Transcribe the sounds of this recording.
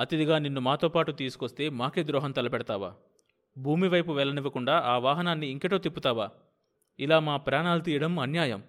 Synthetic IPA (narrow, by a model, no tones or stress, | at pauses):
ɐt̪id̪iɡaːninːumaːt̪o̞ːpaːʈut̪iːsu̥kost̪e̞ːmaːke̞ːd̪ɾɔːɦɐnt̪ɐlɐpɛɽɐt̪aːʋa̰ː | bʱuːmiʋɐjpuʋɛlːɐniʋɐkuɳɖaːʔaːʋaːɦɐnaːnːiːŋkeʈo̞ːt̪ipːut̪aːʋaː | ilaːmaːpɾaːɳaːlut̪iːjɐɽɐmɐnjaːjɐm